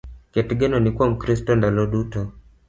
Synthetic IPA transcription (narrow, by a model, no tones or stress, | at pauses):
kɛtiɡɛnɔnikuam̩kɾis̬tɔndalɔɗutɔ